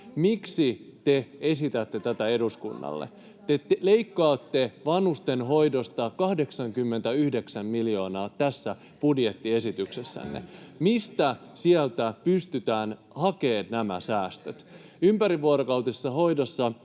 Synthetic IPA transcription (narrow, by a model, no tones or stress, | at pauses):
miksit̪ee̞sit̪æt̪ːe̞t̪æt̪æeduskṵnːɑ̰lːḛ | t̪eleikːɑːt̪ːe̞ʋɑnhust̪enɦo̞jdost̪ɑkɑhde̞ksɑŋkymːent̪æyhdeksæmmiljo̞ːnɑːt̪æsːæ | pudje̞t̪ːie̞sit̪ykse̞sːæ̰nːḛmist̪æsiælt̪æpyst̪yt̪æːn | hɑkeːnnæmæ̰sæːst̪øt̪ | ympæɾiʋːuoɾokɑwt̪issːɑɦo̞jdosːɑ